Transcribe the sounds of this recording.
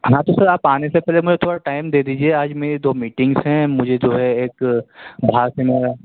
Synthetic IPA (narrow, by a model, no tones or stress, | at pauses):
ɦãːt̪osɐɾaːpaːnesepɛːlemʊd͡ʒʱet̪ʰoːɽaʈaːɪmd̪eːd̪iːd͡ʒieaːd͡ʒmeːɾed̪oːmiːʈɪ̃ŋɡsɦɛ̃mʊd͡ʒʱed͡ʒoːɦɛeːkbʱaːɡsɛ̃meːɾa